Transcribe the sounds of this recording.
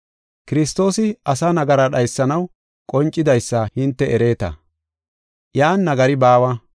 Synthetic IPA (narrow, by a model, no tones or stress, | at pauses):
kɪɾɪst̪o̞ːsɪɐsɐnɐɡɐɾɐɗɐjsːɐnɐw | kʼɔnt͡ʃʼːɪd̪ɐjsːɐhɪnt̪ːɛɛɾe̞ːt̪ɐ̰ | jaːnːɐɡɐɾɪbaːwɐ